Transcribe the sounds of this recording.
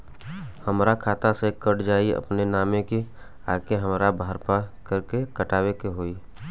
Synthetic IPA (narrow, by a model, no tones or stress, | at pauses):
həmɾakʰaːt̪asekəʈd͡ʒaːiə̰pnenaːmẽki | aːkeɦəmɾabaːəɾpakəɾkekəʈaːwekeɦoːi